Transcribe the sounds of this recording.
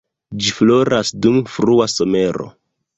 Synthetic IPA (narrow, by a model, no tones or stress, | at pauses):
d͡ʒiflo̞ɾasdumfɾuaso̞me̞ɾo̞̰